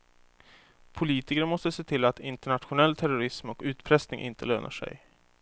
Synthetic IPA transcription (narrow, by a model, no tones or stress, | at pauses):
pʰʊliːt̪ɪkɾəɳmɔst̪əseːt̪ʰɪlːat̪ɪnt̪əɳat̪ɧʊnɛlːt̪ʰæɾʊɾɪsmɔkʉ̟ːt̪pʰɾɛst̪nɪŋʔɪ̰nt̪ʰəløːnʔa̰ʂɛ̰j